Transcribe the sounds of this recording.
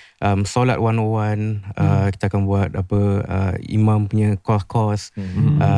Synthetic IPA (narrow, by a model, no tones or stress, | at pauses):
ʔəmsola̰t̪wanowanəki̥t̪aːkanbuat̪̚apəə̰ḭmãmpuɲə̃kɔskʰɔsə